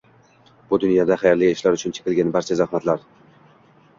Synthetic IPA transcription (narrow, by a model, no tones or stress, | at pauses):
b̥ʊd̪ʊnjɒd̪aχajaɾlɪɪʃlaɾʊt͡ʃʰʊnt͡ʃʰe̥qʲɪlɡʲanbaɾt͡ʃʰazahmat̪laɾ